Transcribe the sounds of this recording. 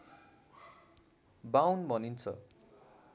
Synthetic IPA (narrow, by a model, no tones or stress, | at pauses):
bawnbʱʌnint͡sʰʌ